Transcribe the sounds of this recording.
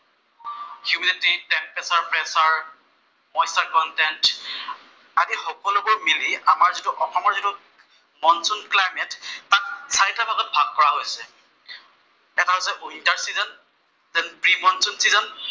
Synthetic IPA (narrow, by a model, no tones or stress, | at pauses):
hjumidɛtitɛmpɛsaɹpɹɛsaɹ | mɔjsaɹkɔntɛnt | adixɔkɔlʊbɔɹmiliamaɹzitʊʔɔxɔmɔɹzitu | mɔnsunklajmɛttak̚saɹitʰabʱaɡɔt̚bʱaɡkːɔɹaɦojsɛ | ɛtʰaɦojsɛʔintaɹsizɔn | dɛnpɹimɔnsunsizɔn